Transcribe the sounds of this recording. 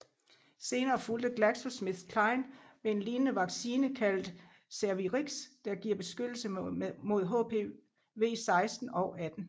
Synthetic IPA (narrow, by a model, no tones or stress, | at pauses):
se̝ːnɐːfuld̥əɡ̥læɡ̥sosmiðkʰlɑ̈ɪnmee̝nliːnənəʋɑ̈ɡ̥siːnəkʰæl̰d̥ | sæɐʋiʁiɡ̥sd̥ɑ̈ɡ̥iɐb̥e̝sɡ̥ød̥l̩səmo̝ð̞ˠɦopʰe̝ | ʋe̝̰ːsɑ̈ɪsd̥n̩ɒ̽ʊʔæd̥n̩